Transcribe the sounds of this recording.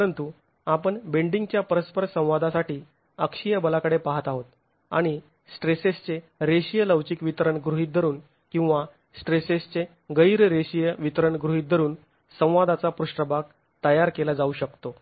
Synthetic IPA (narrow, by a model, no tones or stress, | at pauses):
pəɾənt̪u | apəɳbeɳɖiŋɡt͡ɕjapəɾəspəɾsə̃w̃ʋad̪ʱasaʈiː | əkɕijəbəlakəɽepaɦət̪aɦot̪ | a̰ɽ̃i | sʈɾesest͡se | ɾeɕijələʋt͡ɕiːkʋit̪əɾəɳɡɾuɦiːt̪̚d̪ʱəɾuːn | kĩw̃ʋa | sʈɾesest͡se | ɡəjɾɾeɕijəʋit̪əɾəɳɡɾuɦiːt̪̚d̪ʱəɾuːn | sə̃w̃ʋad̪at͡sapɾuʂʈɾəbaɡ̚ | t̪əjaɾkelad͡zauːɕəkt̪o